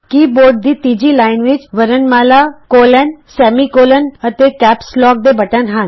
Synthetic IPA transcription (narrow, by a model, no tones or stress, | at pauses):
kiːboːɾɖ̚d̪iːt̪iːd͡ʒiːlaːɪnʋɪt͡ʃʋəɾənmaːlakoːlənsɛːmiːkoːlənət̪ekɛːpslɔːk̚d̪eːbɐʈənɦən